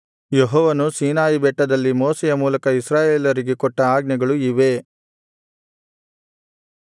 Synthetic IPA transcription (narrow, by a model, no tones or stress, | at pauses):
jeɦɔːʋɐnusiːnaːjibɛʈːɐd̪ɐlːimoːsɛjɐmuːlɐkɐisɾaːjeːlɐɾiɡekɔʈːɐaːɡnɐɡɐɭuiʋe̞